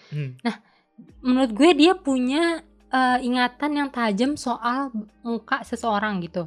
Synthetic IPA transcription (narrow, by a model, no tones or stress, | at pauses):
nah | mənuɾʊt̪̚ɡuɛdiapuɲa | əiŋat̪anjaŋt̪ad͡ʒəmsoʔalmukaʔsəsəoɾaŋɡit̪u